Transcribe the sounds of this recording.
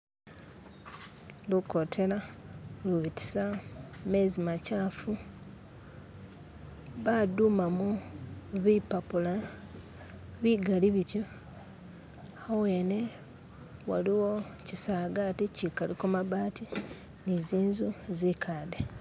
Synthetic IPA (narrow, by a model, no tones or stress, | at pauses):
luko̞tʰe̞la | luβiti̥samezimacaːfu | βadumamu | βipapula | βiɡaliβitjo | aweːne̞ | wa̰liwo̞ | cisaːɡaticikalikomaβaːti | niziːnzuzikʰaːde